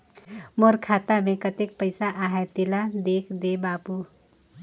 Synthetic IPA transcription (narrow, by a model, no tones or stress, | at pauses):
moːɾkʰaːt̪amẽkɐt̪ɪk̚pəɪsaʔaːɦɛt̪ɪlad̪eːkʰd̪ebaːpu